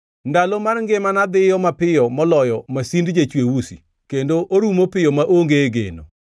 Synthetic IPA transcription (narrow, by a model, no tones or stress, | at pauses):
ndalomarŋɡemanad̪ɪjɔmapɪjɔmɔlɔjɔmasindd͡ʒet͡ʃwewusḭ | kendoʔoɾumopɪjɔmaʔoŋɡeɡḛno̰